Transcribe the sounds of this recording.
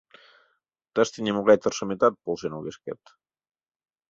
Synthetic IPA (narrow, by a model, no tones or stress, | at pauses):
t̪ast̪inimuɣajt̪əɾsəmit̪at̪̚polˠsenoɣeskɛ̰t̪